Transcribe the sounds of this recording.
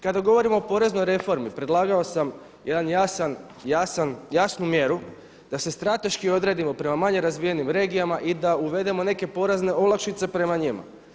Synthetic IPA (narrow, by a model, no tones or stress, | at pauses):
kad̪aɡo̞ʋo̞ɾimo̞ːpo̞ɾe̞zno̞jɾe̞fo̞ɾmipɾe̞d̪lˠaːɡaosam | je̞d̪anjasan | jasanjasnumje̞ɾu | d̪̥ase̞st̪ɾat̪e̞ʃkio̞d̪ɾe̞ːd̪imo̞pɾe̞mamaɲe̞ɾazʋije̞nimɾe̞ːɡijamaʔid̪auʋe̞d̪e̞mo̞ne̞ke̞po̞ɾezne̞olˠakʃit̪se̞pɾe̞maɲima̰